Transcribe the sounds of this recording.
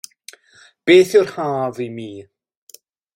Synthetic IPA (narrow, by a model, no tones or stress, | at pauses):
b̥eːθjʊrhaːvimiː